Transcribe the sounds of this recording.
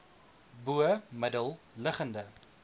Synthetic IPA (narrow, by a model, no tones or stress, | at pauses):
buəmədəlˠləχəndə